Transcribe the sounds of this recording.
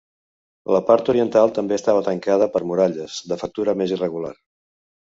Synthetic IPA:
ləpaɾt̪uɾiənt̪alˠt̪əmbeəst̪aβət̪əŋkaðəpəɾmuɾaʎəzd̪əfək̚t̪uɾəmezirəɣula̰r

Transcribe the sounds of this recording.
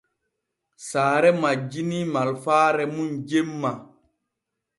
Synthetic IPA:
saːɾɛmad͡ʒinimalfaːɾɛmund͡ʒemːa

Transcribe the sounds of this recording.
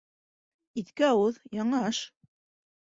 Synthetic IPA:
it̪kɘɑwɤðjɑɴɑɑʃ

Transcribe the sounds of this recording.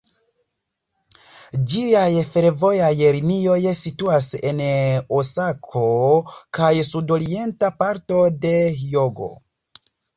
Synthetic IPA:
d͡ʒiajfe̞ɾvo̞jajɾinio̞jsituase̞nosakʰo̞kajsudo̞ɾie̞ntapaɾto̞de̞joɡo̞̰

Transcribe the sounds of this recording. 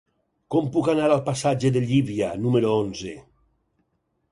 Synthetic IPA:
kɔmpukanaɾalˠpasad͡ʒeðeʎiβianumeɾoonze

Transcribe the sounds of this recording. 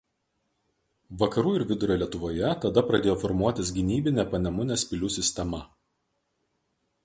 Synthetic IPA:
ʋɐkɐɾuːɪɾʋʲɪd̪ʊɾʲɛlʲiɛt̪ʊʋoːjɛt̪ɐd̪ɐpɾɐd̪ʲeːjoːfɔɾmuɔt̪ʲɪs̬ɡʲɪnʲiːbʲɪnʲɛpɐnʲɛmʊnʲesʲpʲɪlʲuːsʲɪsʲt̪ʲɛmɐ

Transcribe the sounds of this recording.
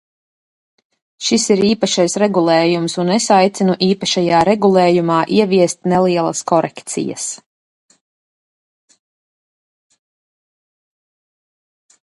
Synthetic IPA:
ʃisiɾiːpaʃajsɾɛɡulˠɛːjumsunɛsajt̪sinuʔiːpaʃajaːɾɛɡulˠɛːjumaːʔiɛviɛst̪nɛlˠiɛlˠɐ̰skɔɾɛkt̪sḭjɐ̰s

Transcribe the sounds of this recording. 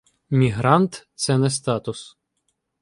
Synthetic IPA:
mʲiɦɾɑnt̪t̪sɛnɛst̪ɑt̪ʊs

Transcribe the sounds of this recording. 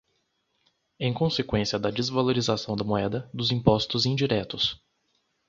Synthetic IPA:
ẽj̃kõsekwẽsiɐd̪ɐd͡ʒɪzvaloɾizasɐ̃w̃d̪ɐmoɛd̪ɐd̪ʊzĩpɔst̪ʊzĩd͡ʒiɾɛt̪ʊs

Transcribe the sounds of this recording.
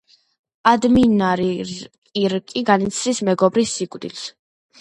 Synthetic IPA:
ad̪minaɾikʼiɾkʼiɡanit̪sʰɾismɛɡɔbɾisːikʼvd̪ils

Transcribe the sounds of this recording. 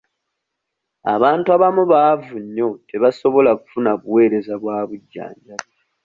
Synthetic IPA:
a̰βaːntuaβamuβaːvuɲːo̞te̞βaso̞βo̞laku̥funaβuwe̞ːɾe̞zaβwaːβuɟːa̰ːɲɟa

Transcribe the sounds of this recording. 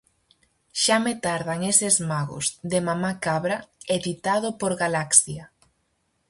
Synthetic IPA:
ʃamet̪aɾðaŋesezmaɣʊ̰zðemamakaβɾaeðit̪að̞ʊpoɾɣalaksja

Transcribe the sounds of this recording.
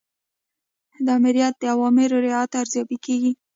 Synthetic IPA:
d̪əamɪɾijat̪̚d̪əawɑmɪɾoɾɪat̪aɾzjɑbikeɡi

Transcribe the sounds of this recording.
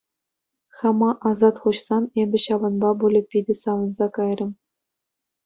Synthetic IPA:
χɑmɑʔɑzɑt̪χuɕsɑnebʲɘ̆ɕɑʋɤ̆nbɑbulʲɘ̆pʲːidʲɘ̆sɑʋɤ̆nzɑkɑjrʲɘ̆m

